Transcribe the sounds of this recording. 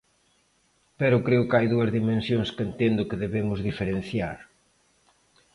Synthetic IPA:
pɛɾʊkɾeʊkajðuɐzðimẽnsjõŋskent̪end̪ʊkɪðeβemʊzðifeɾẽn̟θja̰ɾ

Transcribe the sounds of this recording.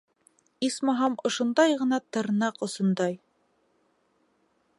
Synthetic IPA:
ismɑɦɑmŏʃŏnd̪ɑjʁɤ̆nɑt̪ɤ̆ɾnɑqŏsŏnd̪ɑj

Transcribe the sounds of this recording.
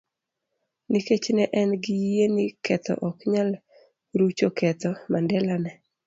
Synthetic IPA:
niket͡ʃnɛʔɛnɡɪjenɪkɛt̪ɔ̰ʔɔkɲal | ɾut͡ʃokɛt̪ɔmandɛlanɛ

